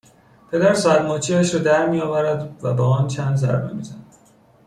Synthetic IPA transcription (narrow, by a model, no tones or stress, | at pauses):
pʰe̞d̪æɾsææɾmɒːt͡ʃʰiæʃɾɒːd̪æɾmijɒːvæɾæd̪væ̰bɒːɒːnt͡ʃʰænd̪zæ̰ɾbemizænæ̥